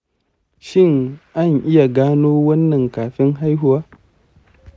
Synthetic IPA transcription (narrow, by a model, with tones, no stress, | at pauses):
ʃɪ˦˨ŋʔa˦˨ŋʔɪ˦ja˨ɡaː˦noː˦wɐ˦nːɐ˨ŋkaː˨ɸɪ˦ŋɦa˦jɦʊ˨waː˦